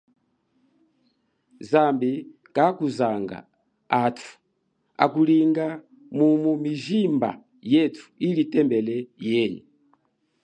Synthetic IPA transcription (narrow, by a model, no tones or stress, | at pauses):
zambi | kakuzaŋɡa̰ | atʰu̥ | a̰kuliŋɡa | mumumiʒimba̰ | jɛtʰu̥ilitɛmbɛlɛjɛɲi